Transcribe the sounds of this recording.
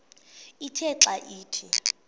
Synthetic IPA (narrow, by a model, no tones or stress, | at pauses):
itʰɛǁaʔiːtʰi